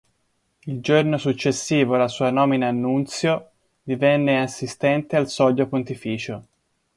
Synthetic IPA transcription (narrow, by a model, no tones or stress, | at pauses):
ild͡ʒornosut͡ʃːesːiːvoalasuːanɔːminaːnːunt̪sjo | d̪ivɛnːeasːist̪ɛnt̪ealsɔd̪jopont̪ifiːt͡ʃo